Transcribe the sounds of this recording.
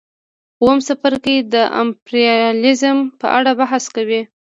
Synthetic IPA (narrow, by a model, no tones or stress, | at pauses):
wəmsafaɾked̪əʔa̰mpɾiɑlɪzmpə̰ʔaɽabaɦaskawi